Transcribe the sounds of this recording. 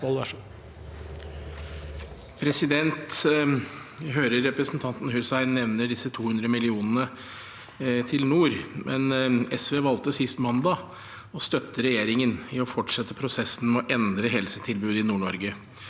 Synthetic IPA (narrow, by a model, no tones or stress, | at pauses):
l | pʰɾɛsɪd̪ɛnt̪ | ɦøːɾəɾːɛpɾəsn̩t̪ʰɑnt̪n̩hʉsæɪnɛʋnəɖɪsːət̪ʰuːhʉnd̪ɾəmɪlɪuːnənə | t̪ʰɪlnuːɾmʔɛ̰nɛsʋeːʋɑlt̪əsɪst̪mɑnd̪ɑ | ɔst̪œt̪ːəɾɛjeːɾɪŋənɪɔfɔʈʂɛt̪ːəpʰɾʊsɛsn̩mɔʔɛnd̪ɾəɦɛlsət̪ʰɪlbʉːd̪ɪnuːɳɔɾɡə